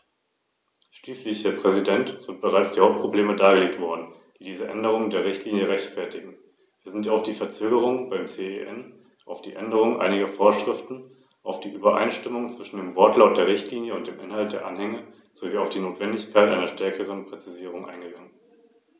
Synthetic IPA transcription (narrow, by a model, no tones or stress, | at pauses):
ʃliːslɪçhɛːɐpʁ̥ɛzidɛntz̥ɪnt̚b̥əʁaɪt͡sd̥iːhaʊp̚pʁ̥obleːmədaːɡəleːk̚tv̥ɔɐdn̩d̥iːdiːzəʔɛ̰ndəʁ̞ʊŋəndeːɐʁɪçtʰliːnjəʁɛçtfɛɐtɪɡŋ̩ | viːɐzɪntaʊfd̥iːfɛɐt͡søːɡəʁ̞ʊŋbaɪmt͡seːeʔɛn | ʔaʊfd̥iːʔɛndəʁ̞ʊŋənʔa̰ɪnɪɡɐfoːɐʃʁ̥ɪftn̩ | ʔaʊfd̥iːʔyːbɐʔa̰ɪnʃtɪmʊŋət͡sv̥ɪʃn̩deːmvɔɐtlaʊt̚d̥eːɐʁɪçtʰliːnjəʊnt̚d̥eːmʔɪnhalt̚d̥eːɐʔanhɛŋə | z̥oviːaʊfd̥iːnoːtv̥ɛndɪçkʰaɪtʔa̰ɪnɐʃtɛɐkʰəʁ̞ənpʁ̥ɛt͡siziːʁ̞ʊŋʔa̰ɪnɡəɡaŋən